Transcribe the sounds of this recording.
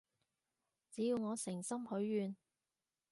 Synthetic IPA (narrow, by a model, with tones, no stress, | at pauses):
t͡siː˨˥jiː˧wŋɔː˨˧sɪ˨˩ŋsɐ˥mhɵ˨˥ɥjyː˨˧n